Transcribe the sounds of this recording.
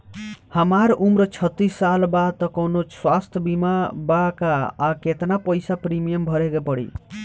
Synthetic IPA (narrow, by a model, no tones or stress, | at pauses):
həmaɾumɾʌt͡ʃʰʌt̪ːisːalbad̪t̪ɔkɔwnoswast̪ʰjəbimabakaːket̪napəjsapɾimijəmbʱʌɾekepʌɽḭ